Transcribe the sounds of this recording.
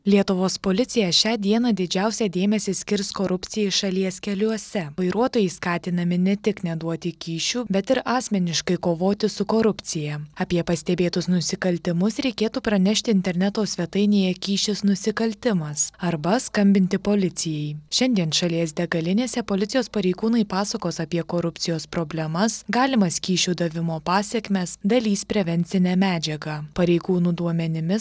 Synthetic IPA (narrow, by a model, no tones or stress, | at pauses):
lʲiɛt̪ʊʋoːspoːlʲɪt̪sʲɪjɛʃʲɑːd̪ʲiɛnɐd̪ʲɪd͡ʒʲæˑʊsʲɛːd̪ʲeːmʲɛsʲɪsʲkʲɪɾskoːɾʊpʲt̪sʲɪjɛɪʃɐlʲiɛskʲɛlʲuɔsʲɛʋɐɪɾuɔt̪oːjɛɪskɑːt̪ʲɪnɐmʲɪnʲɛt̪ʲɪknʲɛd̪uɔt̪ʲɪkʲiːʃʲuːbʲɛt̪ɪɾɑːsʲmʲɛnʲɪʃkɐɪkoːʋoːt̪ʲɪsʊkoːɾʊpʲt̪t͡ssʲɪjɛɐpʲiɛpɐsʲt̪ʲɛbʲeːt̪ʊsnʊsʲɪkɐlʲt̪ʲɪmʊsɾʲɛɪkʲeːt̪uːpɾɐnʲɛʃʲt̪ʲɪɪnʲt̪ʲɛɾʲnʲɛt̪oːsʲʋʲɛt̪ɐɪnʲeːjɛkʲiːʃʲɪsnʊsʲɪkɐlʲt̪ʲɪmɐsɐɾbɐskɐmʲbʲɪnʲt̪ʲɪpoːlʲɪt̪sʲɪjɛɪʃʲɛnʲd̪ʲiɛnʃɐlʲiɛsd̪ʲɛɡɐlʲɪnʲeːsʲɛpolʲɪt̪t͡s̪ʲɪjoːspɐɾʲɛɪɡuːnɐɪpɑːsɐkoːsɐpʲiɛkoːɾʊp̪ʲsʲɪjoːspɾoːbʲlʲɛmɐsɡɑːlʲɪmɐskʲiːʃʲuːd̪ɐʋʲɪmoːpɑːsʲɛkʲmʲeːsd̪ɐlʲiːspʲɾʲɛʋʲɛnʲsʲɪnʲæːmʲæːd͡ʒʲɛɡɑːpɐɾʲɛɪɡuːnuːd̪uɔmʲɛnʲɪmʲɪ